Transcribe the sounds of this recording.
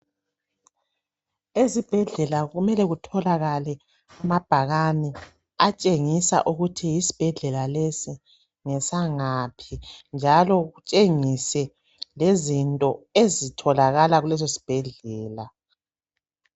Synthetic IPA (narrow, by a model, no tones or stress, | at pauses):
ezib̥ʱɛɮɛlaɣumɛlɛɣutʰɔlaɣalɛ | amab̥ʱaɣani | at͡ʃʼeŋisa̰ʔuɣutʰijisi̥b̥ʱɛɮɛlalesi | ŋɛsaŋapʰind͡ʒʱalɔɣut͡ʃʼeŋisɛ | lezintʼɔezitʰɔlaɣalaɣulɛzosi̥b̥ʱɛɮɛːla